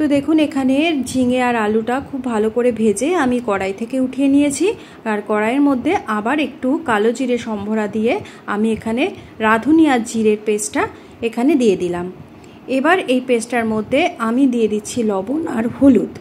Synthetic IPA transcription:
t̪od̪ekʰunekʰaneɾd͡ʑiŋeaɾaluʈakʰubbʱalokoɾebʱed͡ʑeamikɔɽajt̪ʰekeuʈʰijenijet͡ɕʰi | aɾkɔɽaeɾmod̪ʱːeʔabaɾek̚ʈukalod͡ʑiɾeɾʃɔmbʱoɽad̪ije | a̰miekʰane | ɾad̪ʱunijad͡ʑiɾeɾpesʈa | ekʰaned̪ijed̪ilam | ebaɾejpesʈaɾmod̪ʱːeamid̪ijed̪itːɕʰilɔbonaɾhulut̪

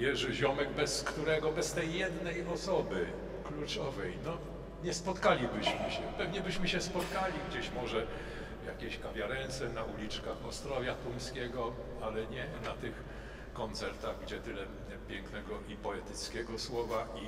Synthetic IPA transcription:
jɛʐɘʑɔmɛɡbɛskt̪uɾɛɡɔbɛst̪ɛjːɛd̪nɛjɔsɔbɘ | klut͡ʂɔvɛjnɔ | ɲɛspɔt̪kalʲibɘɕmɘɕɛpɛvɲɛbɘɕmɘɕɛspɔt̪kalʲiɡd͡ʑeɕmɔʐɛ | ja̰kʲeɕkavʲjaɾɛnt̪sɛnaulʲit͡ʂkaxɔst̪ɾɔvʲjat̪umskʲɛɡɔ | alɛɲɛnat̪ɘx | kɔnt̪sɛɾt̪aɣɡd͡ʑɛt̪ɘlɛ | pʲjɛŋknɛɡɔʔipɔɛt̪ɘt̪skʲɛɡɔswɔvai

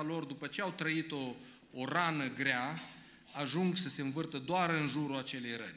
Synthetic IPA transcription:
alo̞rd̪upət͡ʃe̞awt̪ɾəit̪oː | ranəɡɾea | aʒuŋɡsəse̞ɨnvɨrt̪əd̪oaɾɨnʒuɾuat͡ʃe̞le̞jrənʲ

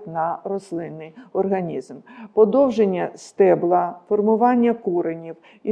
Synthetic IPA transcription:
tʲnɐrɔslˠɪnːɪjɔrɦɐnʲizmpɔd̪ɔwʒenʲːɐst̪ɛblˠɐfɔrmʊʋɑnʲːɐkuɾenʲiw | i

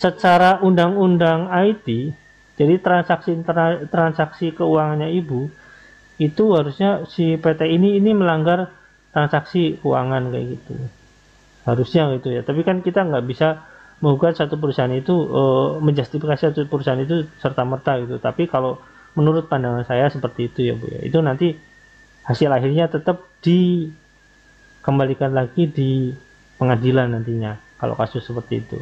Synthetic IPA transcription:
sət͡ʃaɾaʔundaŋundaŋait̪i | d͡ʒadit̪ɾansaksit̪ɾt̪ɾansaksikəuwaŋanɲaibu | it̪uɦaɾusɲasipet̪einiːniməlaŋɡar | t̪ɾansaksikəṵwa̰ŋankaja̰ɡit̪ṵ | haɾusɲaɡit̪ujat̪apikankit̪aŋɡaʔbisa | məŋuɡat̪sat̪up̬əɾusaɦanit̪uəməɲd͡ʒast̪ifikasisat̪upəɾusaɦanit̪usərt̪amərt̪aɡit̪ut̪apikalo | mənuɾʊt̪̚pandaŋansajasəpərt̪iːt̪uja̰bṵja̰ḭt̪unant̪i | hasɪlaɦɪrɲat̪ət̪əp̚d̥i | kəmbalikanlaɡidi | pəŋadilanːant̪iɲakalo̰kasʊsːəpərt̪ḭːt̪ṵ

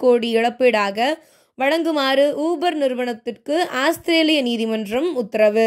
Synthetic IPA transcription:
koːɽiɪɽɐpːeɽaːɣɐ | ʋɐɻɐŋɡɯmaːɾɯʔuːbɐɾnɪɾʋɐɳɐt̪ːɪrkɯaːst̪ɪɾeːlɪjɐniːðɪmɐndrɐmʊt̪ːɐɾɐʋɯ

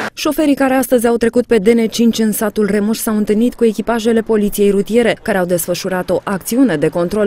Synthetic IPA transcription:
ʃo̞fe̞ɾikaɾeast̪əzʲawt̪ɾe̞kut̪̚pe̞d̪e̞ne̞t͡ʃint͡ʃʲɨnsat̪ulre̞muʃsawɨnt̪ɨlnit̪kue̞kʲipaʒe̞le̞po̞lit̪sije̞jɾut̪ije̞ɾe̞kaɾe̞awd̪e̞sfəʃuɾat̪o̞ʔak̚t̪siune̞d̪e̞ko̞nt̪ɾo̞l

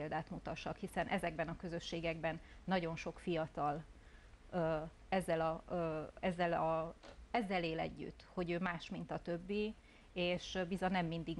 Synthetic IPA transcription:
eld̪aːt̪mut̪ɒʃɒkhisɛnʔɛzɛɡbɛnɒkø̞zø̞ʃːeːɡɛɡbɛnːɒɟo̞nʃo̞kfijɒt̪ɒlː | ɛzːɛlɒ | ɛzːɛlɒɛzːɛleːlɛ̰ɟːy̰t̪ːho̞ɟøːmaːʃmint̪ɒt̪ø̞bːi | eːʃbizɒnɛmːind̪iɡ

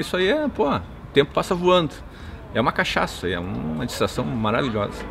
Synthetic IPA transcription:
isʊaiɛpohɐ | ʊt̪ẽmpʊ̥pasɐvuɐ̃nd̪ʊ | ɛũmɐkaʃa̰saiɛ̰ũmɐd͡ʒi̥st̪ɾasɐ̃w̃maɾaviʎɔzɐ

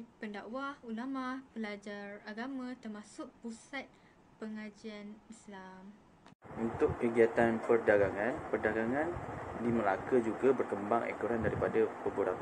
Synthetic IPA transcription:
pəndawahulamahpəlad͡ʒaraɡamãt̪ərmasʊk̚pusat̪̚ | pəŋad͡ʒianislam | unt̪ʊkːəɡiat̪anpərdaɡaŋãnpərdaɡaŋãndiməlakəd͡ʒuɡabərkəmbaŋʔɛ̰kuɾandaɾipadapəbuɾa̰ŋ

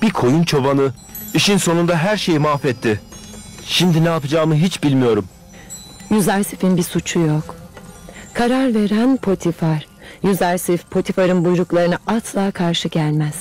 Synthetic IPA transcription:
b̥ikʰo̞junt͡ʃʰobanɯ | iʃinso̞nund̪aɦæɾʃe̞jimaːfɛt̪ʰːɪ | ʃimd̪inɛapɯd͡ʒaːmɯɦit͡ʃbilʲmijo̞ɾum | jyzæɾsifinbisut͡ʃʰujok | kʰaɾaɾve̞ɾænpʰo̞t̪ʰifaɾ̥ | jyzæɾsifpʰo̞t̪ʰifaɾɯnbujɾuklˠaɾɯnaʔaslˠaːkʰaɾʃɯɟælʲmæz̥

